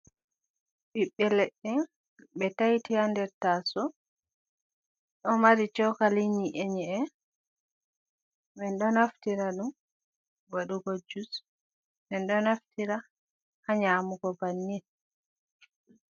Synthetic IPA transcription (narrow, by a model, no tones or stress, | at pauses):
ɓiɓːɛleɗːɛ | ɓɛtajtiandɛɾtaːsɔ | ɗɔmaɾit͡ʃɔkaliɲiʔeɲɛɛ | ɓɛnɗɔnaftiɾaɗum | waɗuɡɔd͡ʒus | ɓɛnɗɔnaftiɾa | haɲaːmuɡɔbanːin